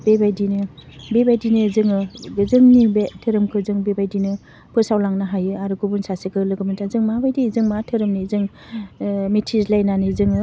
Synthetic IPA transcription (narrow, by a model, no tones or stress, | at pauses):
b̥ebajdinɯbebajdinɯzɯŋɯɡɯzɯŋnibetʰɯɾɯmkʰɯzɯŋbebajdinɯ | pʰɯsawlaŋnɯɦajɯaɾukʰubunsasikʰɯlɯɡɯmɯntazɯŋmabajdizɯŋmatʰɯɾɯmnizɯŋ | mitʰizlajnanɯzɯŋɯ